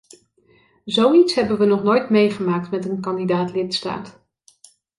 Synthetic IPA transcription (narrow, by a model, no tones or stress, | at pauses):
zowitsɦɛbənʋənɔχnojtmejχəmaːk̚tmɛtənkɑndidaːtlɪtsta̰ːt